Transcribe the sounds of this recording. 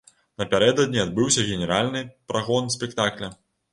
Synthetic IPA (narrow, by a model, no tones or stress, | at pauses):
nɐpʲaɾɛd̪ɐd̪̚ʲnʲiad̪̚bɨwsʲɐɣʲɛnʲɛɾalʲnɨpɾaɣɔnsʲpʲɛkt̪aklʲɐ